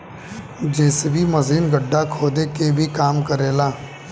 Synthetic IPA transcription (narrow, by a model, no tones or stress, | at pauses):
d͡ʒeːsebʱiməziːnɡəɖːakʰoːd̪ekebʱikaːmkəɾeːlaː